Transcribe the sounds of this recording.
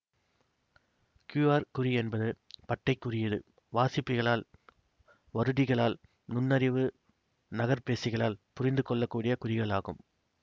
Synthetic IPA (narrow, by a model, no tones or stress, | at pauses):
kjuːaːɾkʊɾiɛnbɐðɯpɐʈːɐɪkːʊrɪjɐðɯ̰ | ʋaːsɪpːɪɣɐɭaːl | ʋɐɾɯðɪɣɐɭaːl | nʊnːɐɾɪʋɯ | nɐɣɐɾpeːsɪɣɐɭaːlpʊrɪnd̪ɯkɔɭːɐkːuːɽɪjɐkʊɾɪɣɐɭaːɣɯ̰m